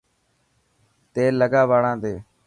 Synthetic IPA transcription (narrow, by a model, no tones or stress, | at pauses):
t̪eːləɡaːʋaːɽãːd̪eː